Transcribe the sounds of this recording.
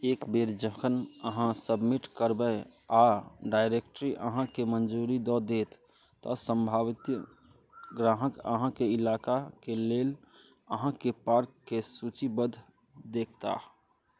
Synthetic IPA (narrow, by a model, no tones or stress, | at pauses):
eːkbeɾd͡ʒəkʰənəɦãsəbmiʈkəɾbə | aɖaɪɾek̚ʈɾiʔə̰ɦãkemənd͡ʒuɾid̪ɔd̪et̪ | t̪ɔsə̃mbʱaʋt̪j | ɡɾaɦəkə̰ɦãkeɪlaːkakeleːl | əɦãkepaɾkːesut͡ʃibəd̪ʱ | d̪eːkʰt̪a̰ɦ